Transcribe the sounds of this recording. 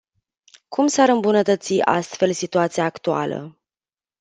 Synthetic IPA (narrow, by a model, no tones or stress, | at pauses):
kʰumsaɾɨmbunət̪ət̪siʔa̰st̪fe̞lsit̪uat̪siaːkt̪ua̰lə̰